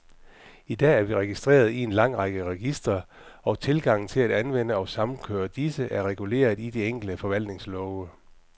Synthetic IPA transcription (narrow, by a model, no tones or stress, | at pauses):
id̥ɛ̰ːæɐʋiʁɛɡ̥isd̥ʁḛːɐð̞̩ˠie̝nlɑ̈ŋ̰ʁɑ̈ɡ̥əʁɛɡ̥isd̥ʁɐ | ɒ̽t͡sʰe̝lɡ̥ɑ̈ŋ̰n̩t͡sʰe̝læɾ̥ænʋen̰əɒ̽sɑ̈mn̩kʰøːɐd̥isəʔæɐʁɛɡ̥ule̝̰ːɐð̩ˠid̥e̝eŋ̰ɡ̥l̩d̥əfɒ̽ʋæl̰d̥ne̝ŋslɒʊə